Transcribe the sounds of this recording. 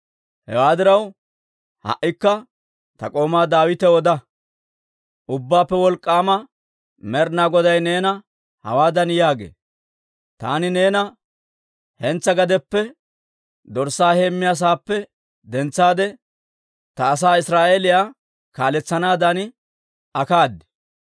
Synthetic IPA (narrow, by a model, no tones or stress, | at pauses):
hɛ̰waːd̪ɪɾɐw | hɐ̰ʔːɪkːɐ | t̪ɐkʼo̞ːmaːd̪aːwɪt̪ɛɔd̪ɐ | ʔʊbːaːpːɛwɔlkʼːaːmɐ | mɛɾnaːɡɔd̪ɐjneːnɐ | hɐ̰waːd̪ɐnjaːɡḛː | t̪a̰ːnɪneːnɐ | hɛnt͡sːɐɡɐd̪ɛpːɛ | d̪ɔɾsːaːhe̞ːmːɪjaːs̬aːpːɛ | d̪ɛnt͡sːaːd̪ɛ | t̪ɐːs̬aːɪsɾaːʔeːlɪjaː | kaːlɛt͡sːɐnaːd̪ɐnɪ | ɐkaːd̪ːɛ̥